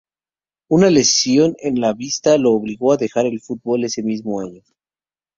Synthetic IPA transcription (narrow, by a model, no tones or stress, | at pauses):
unale̞sjo̞nenlaβist̪aloːβliɣo̞aðe̞xaɾe̞lfut̪̚bo̞le̞se̞mizmoaɲo